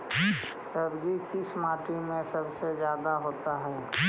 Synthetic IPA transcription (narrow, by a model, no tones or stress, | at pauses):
sɐbd͡ʒikɪsmaːʈɾimẽsɐbsezjaːd̪aɦoːt̪aɦɛː